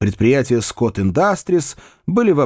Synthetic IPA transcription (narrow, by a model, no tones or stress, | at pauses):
pɾʲɪt̪̚pɾʲɪjætʲɪjəskot̪ɪnd̪ast̪ɾʲɪs | bɨlʲɪvɐ